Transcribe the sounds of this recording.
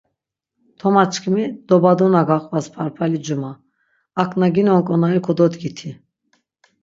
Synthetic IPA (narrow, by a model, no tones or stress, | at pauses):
t̪ʰɔmat͡ʃʰʼkʰimid̪̥ɔbad̪ɔnaɡaqʼvaspʰaɾpʰalid͡ʒumaː | kʰʼnaɡinɔŋkʼɔnaɾikʰɔd̪ɔt̪ɡit̪ʰi